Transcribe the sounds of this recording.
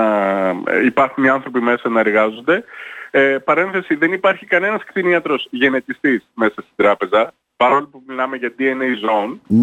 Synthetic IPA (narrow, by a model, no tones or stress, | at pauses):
ɐ̰ | ipɐɾxuniɐnθɾo̞pime̞sɐnɐe̞ɾɣɐzo̞nd̪e̞ | pɐɾe̞nθe̞siðe̞nipɐɾçikɐne̞nɐskt̪iniɐt̪ɾo̞sʝe̞ne̞t̪ist̪isme̞sɐst̪id̪ɾɐpe̞zɐ | pɐɾo̞lipumilɐme̞ʝɐt̪ieneizon